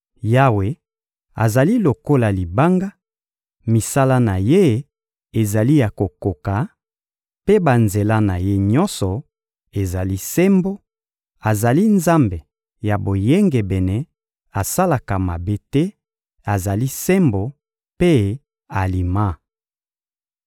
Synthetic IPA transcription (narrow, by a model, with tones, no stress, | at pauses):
ja˦we˨ | a̰˨za˨li˦lo˨ko˦la˨li˨ba˦ŋɡa˦ | mi˨sa˦la˦na˨je˦ | e˨za˨li˦ja˨ko˨ko˨ka˨ | pe˦ba˨nze˨la˦na˨je˦ɲɔ˦nsɔ˨ | e˨za˨li˦sɛ˦mbo˦ | a˨za˨li˦nza˦mbe˨ | ja˨bo˨je˦ŋɡe˨bɛ˨nɛ˦ | a˨sa˦la˨ka˨ma˨be˦tɛ˦ | a˨za˨li˦sɛ˦mbo˨ | pe˦ | a˨li˨ma˦